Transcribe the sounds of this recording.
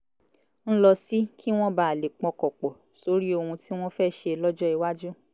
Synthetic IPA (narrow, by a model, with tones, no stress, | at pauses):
ñ̩˦lɔ˧si˦kʰi˦w̃ɔ̃˦ba˦˨a˨le˨k͡pɔ̃˧kɔ˨k͡pɔ˨ | so˨˦ɾi˦o˧hũ˧ti˦w̃ɔ̃˦fɛ˦˨ʃe˧lɔ˦d͡ʒɔ˦i˧wa˦d͡ʒu˦